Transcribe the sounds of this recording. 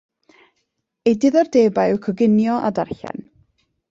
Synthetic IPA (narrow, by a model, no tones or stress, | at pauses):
ejdɪðɔrdeːbajʊkʰɔɡɪnjɔʔa̰darɬɛ̰n